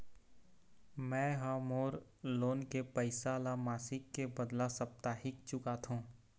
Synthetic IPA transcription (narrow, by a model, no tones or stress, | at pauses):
mɛ̃ːɦaːmoːɾloːnkepəɪsaːlamaːsɪkːebəd̪lasəp̚t̪aːɦɪkt͡ʃʊkat̪ʰũː